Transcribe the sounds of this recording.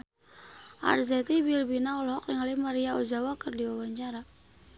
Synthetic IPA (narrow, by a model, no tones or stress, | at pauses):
ʔa̰rzɛt̪ibilbinaɔlhɔkliŋalimaɾiaɔzawakɨrdiwawaɲt͡ʃaɾa